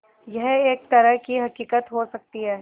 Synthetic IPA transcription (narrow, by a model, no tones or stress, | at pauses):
jɛɦeːk̚t̪ɐɾəɦkiɦɐkiːkət̪ɦosɐk̚t̪iɦɛː